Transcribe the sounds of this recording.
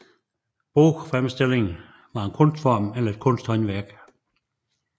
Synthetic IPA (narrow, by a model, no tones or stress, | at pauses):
b̥ofʁamsd̥e̝le̝ŋ̩ | ʋɑ̈e̝nkʰɔ̽n̰sd̥fɒmelɐe̝d̥̚kʰɔ̽n̰sd̥hɒ̽nʋæɐ̰ɡ̥